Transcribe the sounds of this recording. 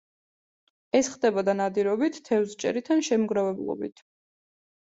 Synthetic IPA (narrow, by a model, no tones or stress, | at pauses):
ɛsχd̪ɛbɔd̪anad̪iɾɔbit̪ʰt̪ʰːɛvzt͡ʃʼɛ̰ɾit̪ʰanʃɛmɡɾavɛblˠɔ̰bḭt̪ʰ